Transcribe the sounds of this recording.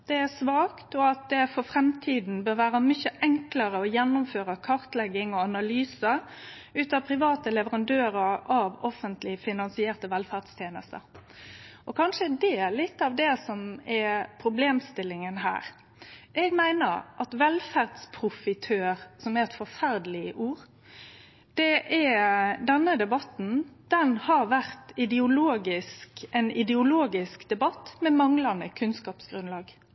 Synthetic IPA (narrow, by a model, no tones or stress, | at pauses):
d̪ɛæsʋɑːkt̪ɔɑt̪̚d̪ɛfɔfɾɛmt̪ʰiːd̪n̩bøːɾʋæːɾəmʏçəʔɛŋkləɾəɔjɛnːʊmføːɾəkʰɑɾt̪lɛɡːɪŋɔɑnɑlyːsə | ʉːt̪ɑpʰɾɪʋɑːt̪əlɛʋəɾɑnd̪øːɾəɾɑʋɔfːənt̪lɪfɪnɑnsɪeːʁt̪əʋɛlfæd̪st̪ʰjeːnə̰st̪ə̰ | ʔɔkʰɑnʂəd̪ɛlɪt̪ːɑʋd̪ɛsɔmɛpʰɾʊbleːmst̪ɪlːɪŋənɦæ̰ːɾ | ʔɛɡmæɪnəɾʔɑt̪ʋɛlfæʁd̪spʰɾʊfɪt̪ʰøːɾsɔmɛɾɛt̪fɔɾfæɾd̪əlɪəʔuːɾ | d̪̥ɛʔɛd̪ɛnːəd̪ɛbɑt̪n̩d̪̥ɛnhɑʋæʁt̪ɪd̪ɛʊloːɡɪskɛnɪd̪ɛʊloːɡɪskd̪ɛbɑt̪ːmɛmɑŋlɑnd̪əkʰʉnskɑːpsɡɾʉnlɑːɡ